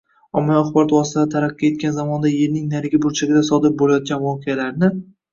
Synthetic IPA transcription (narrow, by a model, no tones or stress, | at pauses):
ɒmːajɒχbɒɾɒt̪vɒsɪaɪt̪ʰaɾaqːie̞t̪̚kʲanzamɒnd̪aje̞ɾnɪŋnaɾɡʲɪbʊɾt͡ʃʰaɡʲɪd̪asɒd̪ɪɾ̚bolajɒt̪̚ɡʲanvɒqʰɨjalaɾnɪ